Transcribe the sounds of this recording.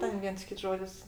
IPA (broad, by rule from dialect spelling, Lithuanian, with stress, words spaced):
ˈtʲɛn ˈʋʲiɛns ˈkʲɪts ˈʒoːdʲɪs